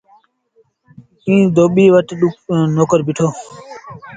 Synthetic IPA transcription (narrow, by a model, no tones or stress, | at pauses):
ĩːd̪oːɓiːʋəʈɗʊnoːkəɾbɪʈʰoː